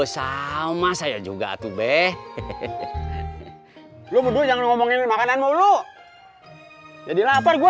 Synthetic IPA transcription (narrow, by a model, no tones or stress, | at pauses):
əsaumasajad͡ʒuɡa̰t̪ubɛh | lubədud͡ʒaŋanŋɔmɔŋinmakananmolo | d͡ʒadilaparɡua